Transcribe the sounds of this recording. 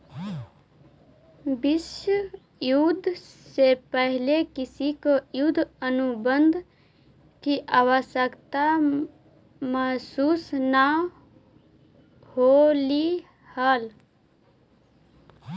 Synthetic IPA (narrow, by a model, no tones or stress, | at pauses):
bɪʃə | jud̪ʱ | sepəɦɪlekɪsikojud̪ʱənubənd̪ʱ | kiʔaːʋəʃəkt̪a | məɦsuːsna | holi | həl